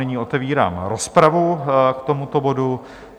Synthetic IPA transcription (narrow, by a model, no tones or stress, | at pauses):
ɛɲiːʔo̞t̪ɛviːɾa̰ːmɾo̞spɾavukt̪o̞mut̪o̞bo̞du